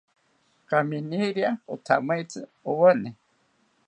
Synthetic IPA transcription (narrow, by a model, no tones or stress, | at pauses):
kaminiɾiaot̪ʰamait͡sɨowəne